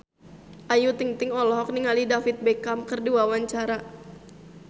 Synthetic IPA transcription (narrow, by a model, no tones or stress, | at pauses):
ʔajut̪iŋt̪ɪŋɔlɔɦɔk̚niŋalidafit̪̚bekamkɨrdiwawaɲt͡ʃaɾa